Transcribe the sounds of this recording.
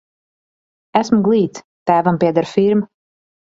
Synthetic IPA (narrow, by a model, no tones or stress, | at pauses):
æsmuɡlˠiːt̪s | t̪æːvampiɛd̪aɾfiɾm